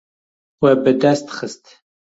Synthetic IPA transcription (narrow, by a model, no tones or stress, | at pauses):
wɛbɨd̪æst̪ʰχəst̪ʰ